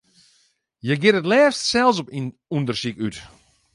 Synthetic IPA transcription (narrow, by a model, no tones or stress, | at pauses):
jəɡɪtətlɛːfstsɛlˠs̬ɔp | undərsikyt